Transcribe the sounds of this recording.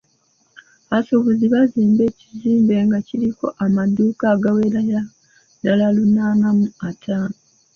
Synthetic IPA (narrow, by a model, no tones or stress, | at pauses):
asoβuziβaziːmbe̞ːciziːmbe̞ŋɡaciɾiko̞̰ʔamaduːkaːɡaweɾaja | dalalunaːnamuatʰaːn